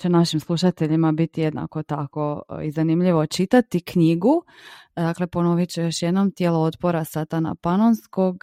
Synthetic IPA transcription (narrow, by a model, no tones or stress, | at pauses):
t͡ɕenaʃimslˠuʃat̪e̞ʎimabit̪ije̞d̪na̰ko̞t̪ako̞ḭzanimʎiʋo̞t͡ʃit̪at̪ikɲiɡu | d̪akle̞po̞noʋit͡ɕejo̞ʃjed̪no̞mt̪jelˠoot̪po̞ɾasat̪ana̰panonsko̞ɡ